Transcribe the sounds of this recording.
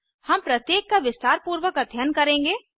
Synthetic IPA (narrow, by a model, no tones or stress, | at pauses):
hɐmpɾɐt̪jeːkːaʋɪst̪aːɾpuːɾʋəkɐd̪ʱjənkɐɾẽːŋɡeː